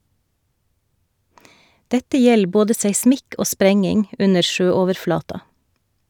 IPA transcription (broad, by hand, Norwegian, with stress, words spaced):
ˈdɛtə ˈjɛl ˈboːdə seɪˈsmɪk ˈoː ˈspɾɛŋɪŋ ˈʔʉnə ˈʃøːˌoːʋəɾˌflɑːtɑ